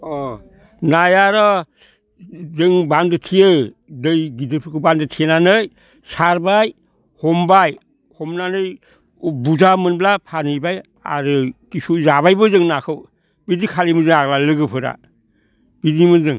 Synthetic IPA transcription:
ɔ | najaɾɔ | zɯŋbandɯtʰijɯdɯjɡidɯɾpʰɯkʰɯbandɯtʰenanɯj | saɾbaj | hɔmbaj | hɔmnanɯj | buzamɯnblapʰanɯjbaj | a̰ɾɯkisuzaβajbɯzɯŋnakʰɯw | bidikʰalimɯnzɯŋaɡlalɯɡɯpʰɯɾa̰ | b̥idimɯnzɯŋ

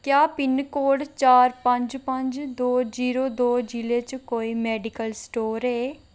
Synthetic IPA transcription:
kjaːpɪnkoːɖt͡ʃaːɾpə̃ɲd͡ʒpəɲd͡ʒd̪oːd͡ʒiːɾoːd̪oːd͡ʒiːleːt͡ʃkoːiːmɛːɖɪkəlsʈoːɾeː

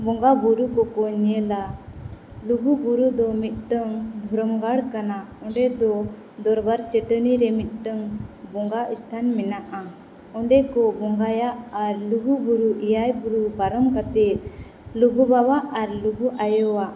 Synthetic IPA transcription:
bɔŋɡabuɾukɔkɔɲɛla | luɡubuɾud̪ɔmit̪̚ˀʈəŋd̪ʱɔɾɔmɡaɽkanaɔ̃ɳɖɛd̪ɔ | d̪ɔɾbaɾt͡ʃəʈəniɾɛmit̪̚ˀʈəŋbɔŋɡaʔist̪ʰanmɛnaʔa | ɔɳɖɛkɔbɔŋɡajaʔaɾluɡubuɾuʔijajbuɾubaɾɔmkat̪ɛt̪̚ | luɡubawaʔaɾluɡuʔajɔwaʔ

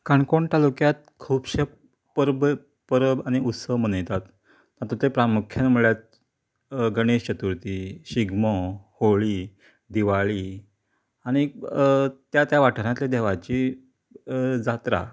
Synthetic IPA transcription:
kaɳkoɳt̪alukjat̪̚kʰuːbɕe | pəɾb | pəɾəbañiut̪səʋmənəjt̪at̪ | t̪at̪ut̪epɾamukʰjanmuɭjat̪̚ | ɡəɽ̃eɕt͡ɕət̪uɾt̪iɕiɡməhoɭiː | d̪iʋaɭiː | aɽ̃i | t̪jat̪jaʋaʈʰəɾjãt̪led̪eʋat͡ɕiː | d͡zat̪ɾa̰

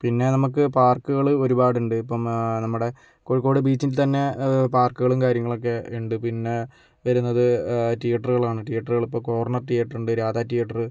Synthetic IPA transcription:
pinːe̞nɐmuk̬ːɨpaːrkːuɣɐɭɨo̞ɾubaːɽuɳɖɨipːɐmnɐmːuɽe̞ | koɻikːo̞ːɽɨbiːt͡ɕːinlt̪ɐnːe̞paːrkuɣɐɭumkaːɾjɐŋːɐɭo̞k̬ːe̞iɳɖɨpinːe̞ | ʋɐɾunːɐðɨʈijɐʈːɐrɣɐɭaːɳɨʈijɐʈːɐruɣɐɭipːoːko̞ːrɳɐrʈijɐʈːɐruɳɖɨɾaːd̪aːtːijɐʈːɐrɨ

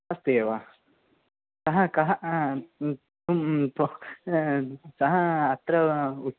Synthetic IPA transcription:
ɐst̪eeʋaː | sɐɦɐkɐɦɐ | t̪umt̪u | sɐɦɐːt̪ɾɐu

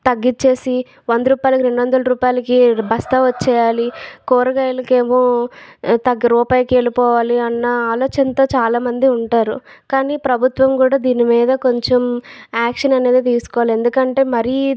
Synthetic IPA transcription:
t̪ɐɡːit͡ʃːe̞ːsi | ʋond̪uɾuːpaːjlɐkiɾe̞ɳɖuʋɐnd̪ɐlɐɾuːpaːjlɐkibʱɐst̪ɐːʋɐt͡ʃːɛːjaːlikoːɾɐɡaelɐkeːmoː | t̪ɐɡːɐɾuːpaːjɐke̞ːlipɔːʋaːliɐnːɐaːloːt͡ʃɐnɐt̪o̞ːt͡ʃaːlaːmɐnd̪iuɳʈaːɾṵ | kaːniːpɾɐbʱut̪ʋɐmkuːɽaːd̪iːnimiːd̪ɐko̞ɲt͡ʃomaːkʂɐnɐne̞ːd̪it̪iːsu̥kɔːʋalie̞nd̪ukɐɳʈe̞ːmɐɾi

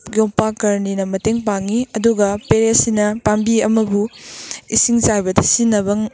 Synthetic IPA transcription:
ɡjoŋpakɐɾninɐmɐteŋpaŋiɐduɡɐpeɾesinɐpambiɐmɐbuisiŋt͡ʃajbɐdɐsinːɐβɐŋ

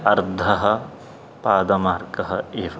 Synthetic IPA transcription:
ɐɾd̪ʱɐɦɐ̆ | paːd̪ɐmaːɾkɐɦɐeːʋ

